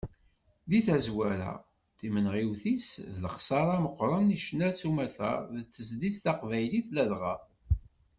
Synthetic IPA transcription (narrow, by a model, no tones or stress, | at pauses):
ðiθæzwæɾæ̰ | θimənʁiwθisðələχsɑɾˤɑməqːɾˤəniʃnæɾsumæθæ̰ðət͡sːəzd̪iθθɑqvæjliθlæðʁæ